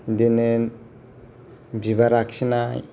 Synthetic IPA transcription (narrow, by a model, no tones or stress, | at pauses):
dene | biβaɾaksinaj